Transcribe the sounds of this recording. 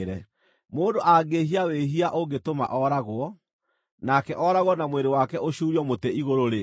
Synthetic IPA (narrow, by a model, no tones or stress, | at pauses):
ɾɛ | moːndoʔaɡeɦiaweɦiaʔoɡetoma̰ʔɔɾaɣwɔ | nakɛʔɔɾaɣwɔnamweɾewakɛʔoɕuːɾiɔmoteiɣoɾoɾe